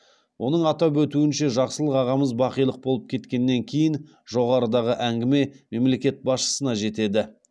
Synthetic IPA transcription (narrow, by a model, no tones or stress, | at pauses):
wʔo̞nəɴɑt̪ɑpwɵt̪uɪnʃe̞ʒɑqsəlˠəqɑʁɑməzbɑqijlˠəq̚bo̞lˠəp̚kʲʰe̞t̪kʲe̞nːe̞ŋkʲʰe̞jɪn | ʒo̞ʁɑɾəd̪ɑʁəʔæŋɡʲɪme̞me̞mle̞kʲe̞t̪̚bɑsʃə̥sənɑʒe̞t̪e̞d̪ɪ